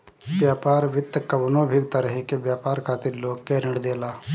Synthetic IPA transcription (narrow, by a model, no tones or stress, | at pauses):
bjaːpaːɾʋɪt̪ːkəbnõːbʱiɡt̪aɾəɦikebjaːpaːɾkʰaːt̪ɪɾloːɡkeːɾɪ̃ɳɖd̪eːlaː